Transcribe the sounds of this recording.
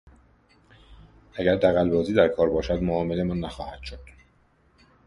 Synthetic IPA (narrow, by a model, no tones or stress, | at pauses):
ʔæɟæɾd̪æɣælbɒːziːd̪æɾkʰɒːɾbɒːʃæd̪moɒːmele̞mɒːnːæxɒːhæd̪̥ʃod̪̥